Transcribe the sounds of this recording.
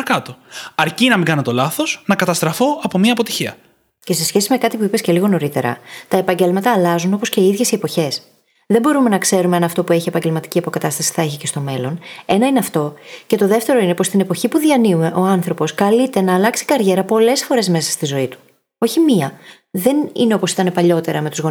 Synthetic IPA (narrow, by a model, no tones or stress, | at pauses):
ɾɐkɐt̪o̞ɐɾcinɐmĩŋɡɐnɐt̪o̞lɐθo̞snɐkɐt̪ɐst̪ɾɐfo̞ɐpo̞mɲɐːpo̞t̪i̥çiɐ̰ | ce̞se̞sçe̞sime̞kɐt̪ipuipesce̞liɣo̞no̞ɾit̪e̞ɾɐ̰t̪ɐe̞pɐɲɟe̞lmɐt̪ɐːlɐzuno̞po̞sce̞iiðʝe̞sie̞poçe̞s | ðe̞bo̞ɾume̞nɐkse̞ɾume̞ɐnɐft̪o̞pue̞çie̞pɐɲɟe̞lmɐt̪i̥ciɐpo̞kɐt̪ɐst̪ɐsi̥θɐe̞çice̞st̪o̞me̞lo̞ne̞nɐineɐft̪o̞ce̞t̪o̞ðe̞ft̪e̞ɾo̞ine̞post̪ine̞po̞çipuðiɐniume̞ʔo̞ɐnθɾo̞po̞skɐlit̪e̞nɐːlɐksi̥kɐɾʝe̞ɾɐpo̞le̞sfo̞ɾe̞zme̞sɐ̥st̪izo̞it̪u̥ | o̞çimiɐ | ðe̞nḭne̞o̞po̞si̥t̪ɐne̞pɐʎo̞t̪e̞ɾɐme̞t̪uzɣo